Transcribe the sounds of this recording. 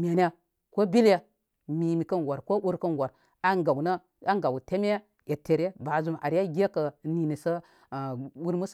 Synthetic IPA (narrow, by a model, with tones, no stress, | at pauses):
mʲe˨n˦a˦ | ko˦bi˦lja˦ | mi˨mi˨kɐ˦nwa˨ɾko˦u˦ɾkɐ˦nwa˨ɾ | a˦ŋɡa˨wna˦ | a˦ŋɡa˨wte˦mʲ˦a˦ | je˨te˨ɾe˦ba˨zu˨ma̰˨ɾja˦ɡʲe˦kə˨ni˨ni˨sɐ˦˨ | wu˦ɾmu˦s